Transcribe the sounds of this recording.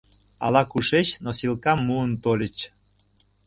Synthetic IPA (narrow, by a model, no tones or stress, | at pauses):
ɑ̰lɑkuʃet͡ɕnosilkɑmːuənt̪olʲə̆t͡ɕ